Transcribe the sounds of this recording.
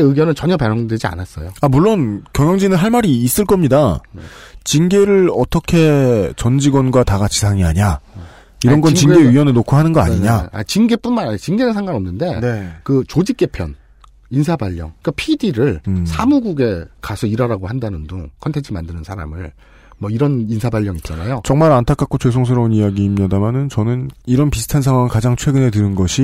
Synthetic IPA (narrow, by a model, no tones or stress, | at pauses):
eɯɡjʌnɯnt͡ɕʌɲʌpaɾjʌŋded͡ʑia̰nas͈ʌ̰joamuɭːonkjʌŋjʌŋd͡ʑinɯnɦaɭmaɾiːs͈ɯɭk͈ʌmɲida | t͡ɕinɡe̞ɾɯɭʌt͈ʰʌkʰe̞t͡ɕʌnd͡ʑiɡwʌnɡwataɡat͡ɕʰi̥sʰaŋiɦaɲa | iɾʌnɡʌnt͡ɕinɡe̞ɥiwʌnɯɭnokʰuɦanɯnɡʌa̰ɲiɲaa̰t͡ɕinɡep͈unmanat͡ɕinɡenɯnsʰaŋɡanʌmnɯnde̞nkɯt͡ɕod͡ʑik͈̚e̞pʰjʌ̰n | insʰabaʎːʌ̰ŋk͈apʰidiɾɯɭsʰamuɡuɡe̞kasʰʌiɾaɾaɡohandanɯndokʰʌntʰent͡ɕʰɯmandɯnɯnsʰaɾa̰mɯɭ | mʌiɾʌninsʰabaʎːʌŋitt͡ɕ͈ana̰jot͡ɕʌŋmaɾantʰakʰak͈ot͡ɕwes̬ʰoŋs̬ʰɯɾʌunijaɡiːmɲadamanɯnt͡ɕʌnɯniɾʌnpisʰɯ̥tʰansʰaŋwaŋikad͡ʑaŋt͡ɕʰwe̞ɡɯne̞t̬ɯɾɯnɡʌɕʰi